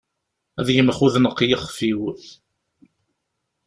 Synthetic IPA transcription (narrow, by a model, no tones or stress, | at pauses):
æðjəməχuðnəqːjəχfiwθ